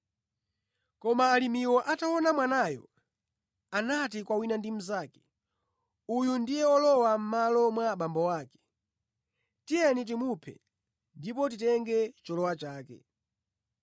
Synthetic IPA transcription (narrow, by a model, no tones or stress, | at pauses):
kɔmaːlimiwɔʔatawɔnamwanajɔ̰ | anat̬ikwawinandim̩zaːkɛ̥ | ujundijɛɔlɔwam̩malɔmwaɓambɔwaːkɛ̥ | tijɛnit̬imupʰɛ̰ | ndip̬ɔt̬itɛŋɡɛt͡ʃɔlɔwat͡ʃaːkɛ̰